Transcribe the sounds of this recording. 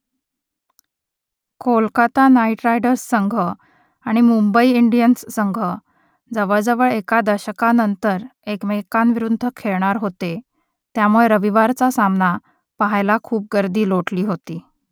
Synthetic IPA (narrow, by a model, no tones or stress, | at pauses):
kʰolkat̪anaiʈɾajɖəɾsːəŋɡʱə | aɽ̃imumbəiiɳɖijənsːəŋɡʱə | d͡zəʋəɭd͡zəʋəɭekad̪əɕəkanənt̪əɾekmekanʋiɾund̪ʱəkʰeɭɳaɾɦot̪e | t̪jamuɭeɾəʋiʋaɾt͡sasamna | paɦajlakʰuːp̚ɡəɾd̪iːloʈliːɦot̪iː